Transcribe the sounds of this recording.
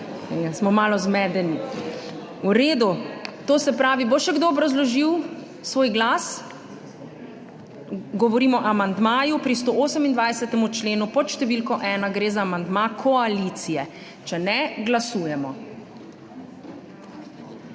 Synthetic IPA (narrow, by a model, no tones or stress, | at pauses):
ɡasmɔmaːlɔzmɛd̪ɛni | uɾeːd̪ut̪oːsɛpɾaːʋiboʃɛɡd̪oːbɾɐzlɔʒiw | sʋoːjɡlaːs | ɡɔʋɔɾiːmɔʔamand̪maːjupɾis̬t̪oʔoːsɛmind̪ʋajsɛt̪ɛmut͡ʃleːnupɔt̪ʃt̪ɛʋilkɔʔɛːnaɡɾeːzaːmand̪makʰɔalit̪sijɛ | t͡ʃɛnɛɡlasuːjɛmɔ